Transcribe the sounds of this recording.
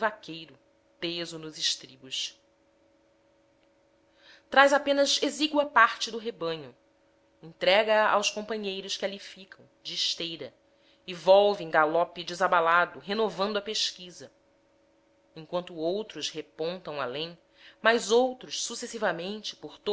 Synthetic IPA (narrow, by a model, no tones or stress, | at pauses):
vakʰejɾʊ | pezʊnʊzɪʃt̪ɾibʊʃ | t̪ɾajzapẽnɐzeziɡwɐpaɾt͡ʃɪd̪ʊɦebɐ̃ɲʊ | ẽŋt̪ɾɛɡɐːʔawʃkõpɐ̃ɲejɾʊʃkɪalifikʰɐ̃w̃d͡ʒɪːʃt̪ejɾɐ | ɪvɔwvɪẽɡalɔpɪd͡ʒɪzabalad̪ʊɦenovɐ̃nd̪ʊɐpeʃkizɐ | ẽŋkwɐ̃nt̪ʊowt̪ɾʊshepõnt̪ɐ̃w̃a̰lẽj̃ | majzowt̪ɾʊʃsusesivɐmẽnt͡ʃɪ̥poɾt̪o